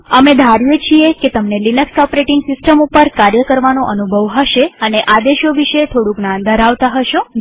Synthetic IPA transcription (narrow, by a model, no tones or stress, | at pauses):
əmed̪ʱaɾjet͡ʃʰieket̪əmnelinəkskɔpoɾeʈɪŋɡsɪsʈəmupəɾkaɾjəkəɾʋanoʔənubʱəʋɦəʃeəneʔad̪eʃoʋiʃet̪ʰoɽũknãnd̪ʱəɾaʋt̪aɦəʃõ